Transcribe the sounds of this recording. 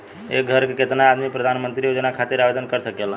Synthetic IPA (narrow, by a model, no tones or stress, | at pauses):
ḛɡʱəɾkeket̪naad̪mipɾəd̪ʱanmənt̪ɾijod͡ʒnakʰat̪iɾabed̪ənkəɾsəkela